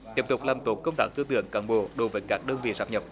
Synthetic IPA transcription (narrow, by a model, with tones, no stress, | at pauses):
t̪iː˨˦˥əp̚t̪ʊ˨˩k͡p̚laː˨˩mt̪o˨˦kə˧wŋ͡mt̪aː˦˥k̚t̪ɨ˧ət̪ɨ̰˧˨əŋkaː˨˦nɓo̰˧˨ɗo˨˦jvəː˨˦jkaː˦˥k̚ɗəː˧nvḭ˧˨zaː˦˥m̚ɲə˨˩p̚